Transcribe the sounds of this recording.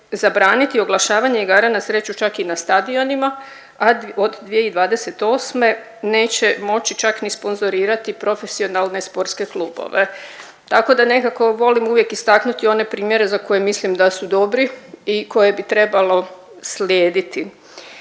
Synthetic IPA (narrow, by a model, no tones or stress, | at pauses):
zabɾaːnit̪io̞ɡlˠaʃaːʋaɲeiɡaːɾanasɾe̞t͡ɕut͡ʃakinast̪ad̪io̞nima | aod̪d̪ʋijeid̪ʋaːd̪e̞se̞t̪o̞ːsme̞ | ne̞ːt͡ɕe̞mo̞t͡ɕit͡ʃaknispo̞nzo̞ɾiːɾat̪ipɾo̞fe̞sio̞nalˠne̞spo̞ɾt̪ske̞kluːbo̞̰ʋe̞ | t̪ako̞d̪ane̞kako̞ʋo̞limuʋje̞kist̪aknut̪io̞ne̞pɾiːmje̞ɾe̞zako̞jemislimd̪asud̪o̞bɾiiko̞je̞bit̪ɾe̞balo̞ | slʲjeːd̪it̪i